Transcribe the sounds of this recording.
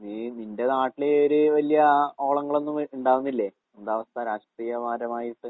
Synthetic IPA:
nininde̞naːʈːileoɾɨʋɐlijɐo̞ːɭɐŋːɐɭo̞nːumuɳɖaːʋunːilːe | end̪aːʋɐst̪aɾaːʂʈriːjɐʋaːɾɐmaːjiʈːɨ

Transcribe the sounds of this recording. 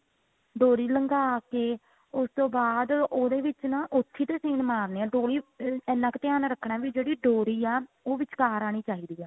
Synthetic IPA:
ɖoːɾiːləŋɡaːkeː | ʊst̪õːbaːd̪oːd̪eːʋɪt͡ʃnãːʔʊt̪ʰːiːt̪eːseːnmaːɾneːãːɖoːɾiːɛːnãːkt̪ɪjaːnɾəkʰɳaːʋiːd͡ʒeːɽiːɖoːɾiːɛː | oːʋɪt͡ʃkaːɾaːɽ̃iːt͡ʃaːiːd̪iːɛː

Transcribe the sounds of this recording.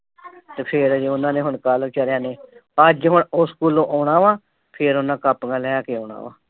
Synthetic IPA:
t̪eːpʰɪɾd͡ʒʊnãːneːɦʊɳkaːlt͡ʃəɾjãːneːəd͡ʒɦʊɳoskuːlõːʔoːɳãːʋãː | pʰɪɾʊnãːkəpɡãːlɛːaːkeoːɳa̰ːʋa̰ː

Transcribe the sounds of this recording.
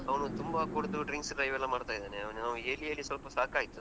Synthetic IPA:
ɐʋnut̪umbɐkoɽud̪uɖɾiŋksɖɾɐjʋɛlːɐmaːɽt̪aːjid̪aːneɐʋnunaːʋueːlijɐlːisʋɐlpɐsaːkaːjit̪ːu

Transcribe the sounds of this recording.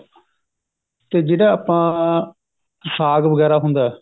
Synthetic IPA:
t̪eːd͡ʒeːɽaːaːpãː | saːɡʋəɡɛːɾaːɦʊ̃nd̪aːɛ

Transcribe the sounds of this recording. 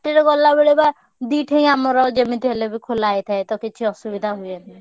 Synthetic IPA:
ʈeɾɔɡɔlːabeɭeba | d̪iʈʰej̃amɔɾɔd͡ʒemit̪ɦelebikʰolajt̪ʰaet̪ɔkit͡ʃʰiɔsubid̪ʱaɦujeni

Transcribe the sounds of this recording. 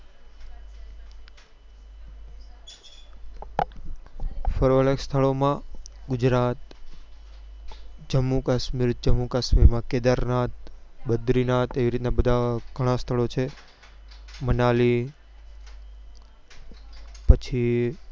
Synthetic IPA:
fəɾʋəɭekst̪ʰəɭomãɡʊd͡ʒɾat̪ | d͡ʒəmːukaʃmiɾd͡ʒəmːukaʃmiɾmãked̪əɾnat̪̚bəd̪ɾinat̪eʋiɾit̪nabəd̪ʱaɡ̥ʱəɽ̃ast̪ʰəɭot͡ʃʰe | mənali | pət͡ʃʰi

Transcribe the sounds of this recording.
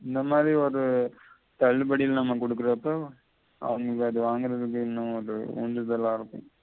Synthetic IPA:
ɪnd̪ɐmaːðɾiɔɾɯ | t̪ɐɭːɯbɐɽɪlnɐmːɐkɔɽɯk̬ːɯɾɐpːoː | ɐ̰ʋɐŋɡɐɭkːɯɐðɯʋaːŋɡɯɾɐðɯk̬ːɯɪnːʊ̃ɔɾɯ̰ṵɳɖɯðɐlːãːɪɾɯpːʊ̰̃

